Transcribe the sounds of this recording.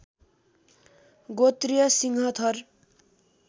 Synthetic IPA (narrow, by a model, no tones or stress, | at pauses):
ɡot̪rijʌsiŋɦʌt̪ʰʌr